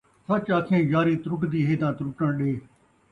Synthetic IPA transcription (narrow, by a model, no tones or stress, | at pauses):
sət͡ʃakʰẽːjaːɾiːt̪ɾʊkd̪iːɦeːd̪ãːt̪ɾʊʈəɽɗeː